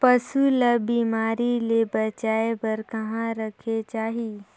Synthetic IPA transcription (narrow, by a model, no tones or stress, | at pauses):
pɐsulɐbiːmaːɾilebɐt͡ʃaːepɐɾkɐɦãɾɐkʰet͡ʃaːɦi